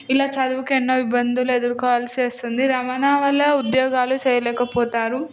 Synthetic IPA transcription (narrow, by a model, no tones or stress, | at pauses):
ilaːt͡ʃɐd̪uʋukenːoʋibːɐnd̪ʱulued̪ɐɾkɔːʋaːlɐsiɐst̪und̪iɾɐmaːnaːʋɐlːɐud̪jɔːɡaːlut͡ʃɛːjɐlɛːkɐpɔːt̪aːɾu